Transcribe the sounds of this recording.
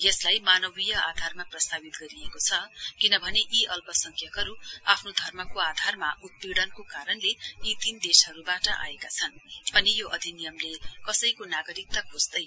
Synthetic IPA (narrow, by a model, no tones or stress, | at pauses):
jʌslajmanʌbijʌad̪ʱarmaprʌst̪abit̪ɡʌɾiekot͡sʰʌkinʌbʱʌneʔiʔʌlpʌsʌŋkʰjʌkʌɾuapʰnod̪ʱʌrmʌkoad̪ʱarmaʔut̪̚piɽʌnkokaɾʌnleit̪ind̪esɦʌɾubaʈʌʔa̰ekat͡sʰʌnʌnijoʔʌd̪ʱinijʌmlekʌsʌjkonaɡʌɾik̚t̪akʰosd̪ʌj